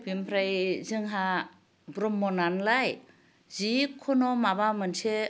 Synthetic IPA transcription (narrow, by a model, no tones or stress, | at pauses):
bimpʰɾajzɯŋɦa | bɾɔmːɔnanlaj | zikʰɔnɔmabamɯnsʰe